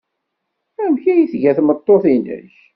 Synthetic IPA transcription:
æmçæjiθʝæθmət̪ˤːoθinə̰ç

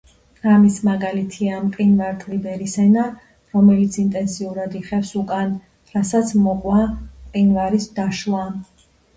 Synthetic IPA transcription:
ɾamismaɡalit̪ʰiamqʼinvaɾt̪ʼlibɛɾisɛna | ɾɔmɛlit̪sʰint̪ʼɛnsiuɾad̪iχɛfsukʼan | ɾasat̪sʰmɔqʼwaqʼinvaɾisd̪aʃwa

